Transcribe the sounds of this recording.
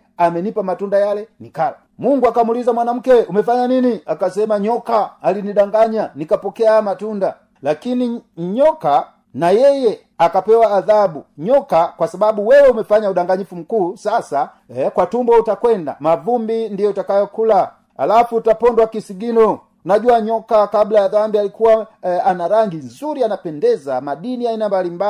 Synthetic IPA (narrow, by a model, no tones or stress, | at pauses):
amɛnipamatundajalɛnikala | muŋɡuakamulizamwanam̩kɛumɛfaɲaniniakasɛmaɲɔkaːliniɗaŋɡaɲanikapɔkɛamatunda | lakiniɲɔka | najɛjɛ | akapɛwaːðabuɲɔkakwasababuwɛwɛumɛfaɲauɗaŋɡaɲifum̩kuːsasa | kwatumbɔutakwɛnda̰mavumbindijɔtakajɔkula | a̰lafuːtapɔndwakisiɡinɔ | naʄuaɲɔkakablaaðambialikuwaanaɾaŋɡinzuɾianapɛndɛzamaɗiniainambalimba